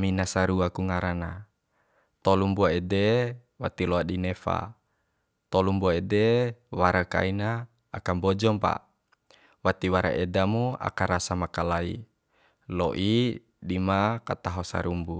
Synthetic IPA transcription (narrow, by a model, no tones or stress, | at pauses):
minasaɾuakuŋaɾana | t̪ɔlumbuaede | wat̪iloadinefa̰ | t̪lumbuaedewaɾaka̰inaː | kambɔd͡ʒɔmpa̰ | wat̪iwaɾa̰ʔedamua̰kaɾasamakalaḭ | loʔi | dimakat̪aɦɔsa̰ɾumbu